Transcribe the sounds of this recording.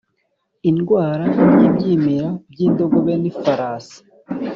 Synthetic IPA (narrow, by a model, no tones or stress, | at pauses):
inɡwaːɾajibjiːmeɾab̚jiːndo̞ɡoβe̞nifaɾaːsḁ